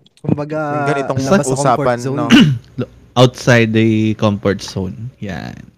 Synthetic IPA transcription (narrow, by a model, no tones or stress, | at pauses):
kɡɡɐnɪt̪osɐʔuːsaːpɐnːo | ʔawt̪sajd̪ɐkɔmpɔɹt̪sonja̰n